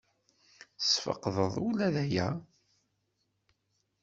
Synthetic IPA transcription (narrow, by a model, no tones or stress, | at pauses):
sfə̰qðˤəðˤulæðæjæ